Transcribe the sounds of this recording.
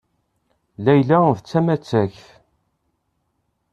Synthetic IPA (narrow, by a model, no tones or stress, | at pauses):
læjlævt͡sːæmæt͡sːæçθ